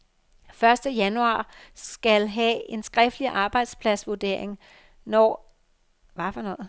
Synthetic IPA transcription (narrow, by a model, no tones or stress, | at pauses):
fɶɐsd̥əjænuɑ̰̈ːsɡ̥ælɦɛe̝nsɡ̥ʁɛfd̥liʔɑ̈ːb̥ɑ̈ɪd̥spʰlæsʋuɐd̥e̝̰ɐ̰eŋ | nɒː | ʋæfɒnɔ̽ð̩ˠ